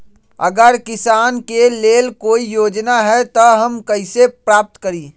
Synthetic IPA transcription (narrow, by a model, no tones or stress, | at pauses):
ə̰ɡəɾkɪsaːnkeleːlkoːijoːd͡ʒnaɦɛt̪ɔɦəmkəɪsepɾaːp̚t̪kəɾiː